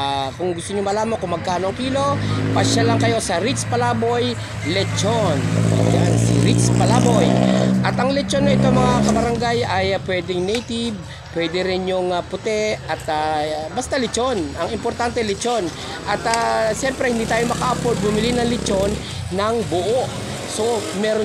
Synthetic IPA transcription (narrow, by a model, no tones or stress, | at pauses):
akʊŋɡʊst̪oɲomɐlaːmɐŋkʊmːɐɡ̚kaːnoʔɐŋkiːlo̞pɐʃalaŋkɐjo̞sɐɾit͡ʃpɐlaːbo̞j | lɛt͡ʃon̰jansḭɾit͡ʃpɐlabojʔɐt̪ɐŋlɛt͡ʃo̞nːɐʔɪt̪omɐŋakɐbɐɾɐŋɡajɐjpwɛːd̪ɪŋnɛjt̪ɪb̚ | pːwɛd̪ɛɾɪnjʊŋapʊt̪ɛʔɐt̪abɐst̪alɪt͡ʃo̞nɐŋɪmpoɾt̪ant̪ɛlɛt͡ʃo̞n | ʔɐt̪aʃɛmpɾɛhɪnd̪iːt̪aːjomɐkaʔɐpod̪̚bʊmɪlinɐŋlɪt͡ʃo̞nː | ɐŋbʊʔo | so̞mɛːɾo